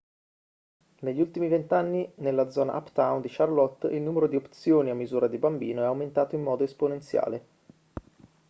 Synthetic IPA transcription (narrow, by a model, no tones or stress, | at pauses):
neʎːiult̪imivent̪anːinelːad̪zɔːna̰ʔa̰pt̪awnd̪iʃarlɔt̪ːilnuːmeɾod̪iopt̪sjoːniamːizuːɾad̪ibambḭːnoɛawment̪aːt̪oimːɔːd̪oesponent̪sja̰ːle